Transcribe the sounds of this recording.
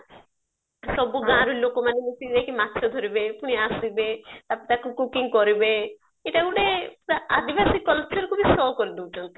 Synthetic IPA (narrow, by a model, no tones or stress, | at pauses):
sɔbuɡãɾulokomanemisid͡ʒekimat̪ːʃʰɔd̪ʱɔɾibepuɽ̃iasibet̪apit̪akukukiŋkɔɾibe | iʈaɡuɽead̪ibasikːɔlek̚t͡ʃɔɾkʰubisɔːkɔɾid̪uut͡ʃɔnt̪i̥